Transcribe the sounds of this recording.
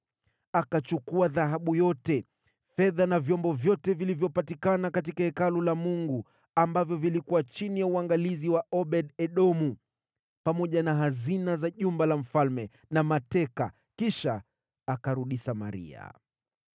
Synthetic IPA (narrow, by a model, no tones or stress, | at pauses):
akat͡ʃukuaðaɦaɓujɔtɛ | fɛðanavjɔmbɔvjɔtɛvilivjɔpatikanakatikaɛkalulamuŋɡu | ambavjɔvilikuwat͡ʃinijauaŋɡaliziwaʔɔɓɛɗɛɗɔmu | pamɔʄanaɦazinazaʄumbalam̩falmɛ | namatɛka̰ | kiʃaː | kaɾuɗisama̰ɾḭa̰